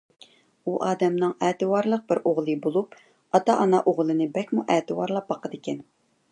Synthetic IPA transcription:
uʔɑːd̪ɛmnɨŋɛːt̪ɨwɑɾlˠəq̚bɪɾoʁlˠɨbolˠup | ɑt̪ɑʔɑnɑʔoʁlˠɨnɨbɛkʲmuʔɛːt̪ɨwɑɾlˠɑp̚bɑqʰəd̪ɪkʲɛn

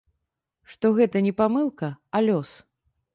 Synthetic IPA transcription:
ʂt̪ɔɣɛt̪ɐnʲɛpamɨlˠkɐalʲɔs

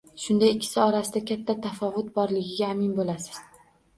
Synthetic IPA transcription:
ʃʊnd̪ajɪkʲʰːɪ̥sɪɒɾasɪd̪akʲʰat̪ʰːat̪ʰafɒvʊt̪̚bɒɾlɪɡʲɪɡʲaːmɪnbolasɪ̥z̥

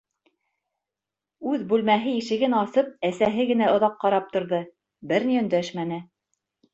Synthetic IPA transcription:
ʉðbʉlmæɦɘɘ̆ʃɘ̆ɡɘnɑsɤp̚æsæɦɘɡɘ̆næŏðɑqːɑɾɑp̚t̪ŏɾðɤ | bɘɾniɵ̆nd̪æʃmænɘ

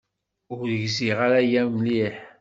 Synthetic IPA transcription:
ʊɾðəʝziʁaɾajæmliħ

